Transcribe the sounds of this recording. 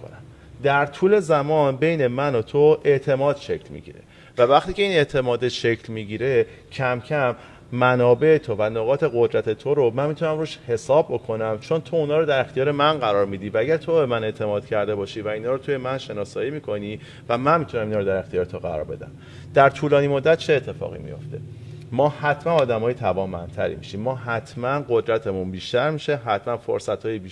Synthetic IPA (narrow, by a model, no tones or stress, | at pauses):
ko̰næm | d̪æɾt̪ʰuːle̞zæmɒːnbe̞jne̞mænot̪ʰoʔe̞ʔt̪ʰemɒːd̪̥ʃe̞cʰlmḭɟḭːɾe̞̰ | vævæχt̪ʰiːcʰe̞iːne̞ʔt̪ʰe̞mɒːd̪eʃecʰlmiɟiːɾe̞ | cʰæmcʰæmː | ænɒːbe̞et̪ʰovænoɣɒːt̪ʰe̞ɣo̞d̪ɾæt̪ʰe̞t̪ʰoɾomænmit̪ʰunæmruːʃhe̞sɒːbbo̞kʰo̞næmt͡ʃʰo̞nt̪ʰo̞unhɒːɾod̪æɾe̞xt̪ijɒːɾe̞mænɢæɾɒːɾmiːd̪iːvææɟæɾt̪ʰobe̞mæne̞ʔt̪ʰe̞mɒːd̪̥cʰæɾd̪e̞bɒːʃiːvæinɒːɾot̪ʰuje̞mænʃe̞nɒːsɒːjiːmiːkʰo̞niː | væmænmit̪unæminɒːɾoæɾe̞xt̪ijɒːɾet̪ʰoɣæ̰ɾɒ̰ɾbe̞d̪æ̰m | d̪̥æɾt̪ʰuːlɒːnimo̞d̪ːæt̪̚t͡ʃʰe̞ːt̪ʰːe̞fɒ̰ːɣḭmḭjo̞̰ft̪ʰe̞̰ | mɒːhæt̪ʰmænɒːd̪æmɒːjet̪ʰævɒːmbænt̪ʰæɾḭmḭʃimːɒːɦæt̪ʰmænɢo̞d̪ɾæt̪ʰe̞munbiːʃt̪æɾmiːʃe̞ɦæt̪mænfo̰ɾsæt̪ʰhɒːjibiːʃ